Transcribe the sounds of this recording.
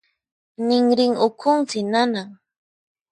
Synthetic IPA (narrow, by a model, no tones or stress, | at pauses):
nɪŋɾɪŋʊkʰʊŋt͡sɪnanaŋ